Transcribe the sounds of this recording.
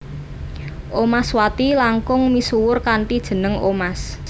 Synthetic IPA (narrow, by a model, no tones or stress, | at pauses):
ʔomaswat̪ilaŋkʊŋmisuwʊrkaɳʈid̥ʒ̥ə̤nəŋʔomas